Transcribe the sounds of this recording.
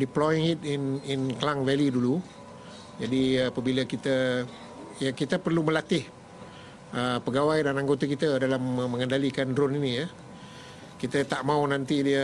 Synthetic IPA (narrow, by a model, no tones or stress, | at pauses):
diplɔjɪŋit̪̚ɪnɪnklaŋvɛlidulu | d͡ʒadiapəbiləkit̪ə | jakit̪əpərluməlat̪ɪh | əpəɡawajdanaŋɡot̪akit̪ədalamːə̃ŋəndalikandɾʊninijə | kit̪ət̪aʔmaunant̪idiə